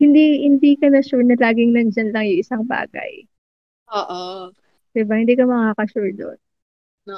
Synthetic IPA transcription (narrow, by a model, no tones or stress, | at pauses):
hɪnd̪ihɪnd̪iːkɐnɐʃuɹnɐlaːɡɪŋnɐnd͡ʒɐnlɐŋjʊŋʔɪsaŋba̰ːɡɐ̰j | ʔoːʔo | d̪ɪbɐhɪnd̪iːkɐmɐkaːkɐʃʊɹd̪o̰n